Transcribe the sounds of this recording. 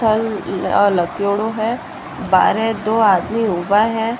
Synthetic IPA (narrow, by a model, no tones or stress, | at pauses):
əlləkjoːɽoɦɛ | ba̰ːɾɛd̪oːaːd̪miubaɦɛ̃